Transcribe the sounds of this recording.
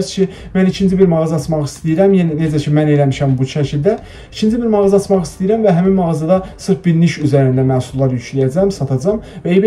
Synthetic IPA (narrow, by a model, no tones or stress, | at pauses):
scʰi | mænicʰind͡ʒibiɾmɑɣɑzɑt̪ʰmɑχist̪ijiɾæmjenined͡ʒæcʰimænelæmiʃæmbuʃæcʰilʲd̪æ | it͡ʃʰind͡ʒibiɾmɑʁɑzɑt͡ʃ̪mɑχist̪ijiɾæmvæɦæminmɑʁɑzɑd̪ɑsɯɾfbiɾniʃyzæɾind̪æmæhsulːˠɑɾjyt͡ʃʰlijæd͡ʒæmsɑt̪ʰɑd͡ʒɑmvæeib